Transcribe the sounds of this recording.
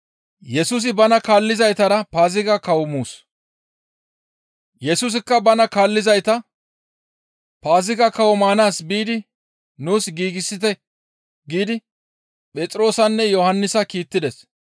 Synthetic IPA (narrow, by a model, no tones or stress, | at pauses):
jɛsus̬ɪbɐnɐkaːlːɪzɐjt̪ɐɾɐpaːzɪɡɐkɐwɔmuːs | jɛsuːs̬ɪkːɐbɐnɐkaːlːɪzɐjt̪ɐ | paːzɪɡɐkɐwɔmaːnaːsbiːd̪ɪ | nuːsɡiːɡɪsːɪt̪ɛ | ɡiːd̪ɪ | pʼɛt͡s̪ʼɾo̞ːsɐnːɛjɔhɐnːɪsɐkiːt̪ːɪd̪ɛs